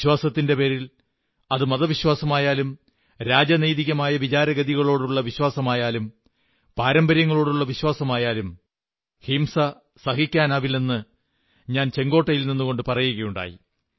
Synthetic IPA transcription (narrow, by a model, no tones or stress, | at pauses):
ɕwaːsɐt̪ːinde̞pe̞ːɾil | ɐðɨmɐðɐʋiɕwaːsɐmaːjaːlum | ɾaːd͡ʑɐnejðiɣɐmaːjɐʋit͡ɕaːɾɐɣɐðiɣɐɭo̞ːɽuɭːɐʋiɕwaːsɐmaːjaːlum | paːɾɐmbɐɾjɐŋːɐɭo̞ːɽuɭːɐʋiɕwaːsɐmaːjaːlum | himsɐ | sɐhikʲːaːnaːʋilenːɨ | ɲaːnt͡ɕe̞ŋɡo̞ːʈːɐjilninːuɣo̞ɳɖɨpɐrɐjuɣɐjuɳɖa̰ːjḭ